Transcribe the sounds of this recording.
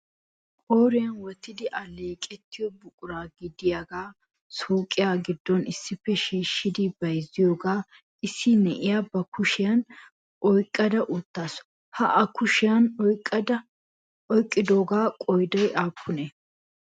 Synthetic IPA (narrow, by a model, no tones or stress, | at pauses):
kʼoːɾɪjɐnwɔt̪ːɪd̪ɪʔɐleːkʼɛt̪ʰːɪjɔbʊkʼʊɾaːɡɪd̪ɪjaɡaː | suːkʼːɪjaːɡɪd̪ːɔnɪsːɪfːɛʃiːʃːɪd̪ɪbɐjzɪjoːɡaː | ʔɪsːɪnɛʔɪjabɐkʊʃɪjɐn | ʔɔjkʼːɐd̪ɐʔʊt̪ːaːsɔ̥ | hɐʔɐkʊʃɪjɐnɔjkʼːɐd̪ɐ | ɔjkʼːɪd̪o̞ːɡaːkʼɔjd̪ɔjʔaːpʰːʊne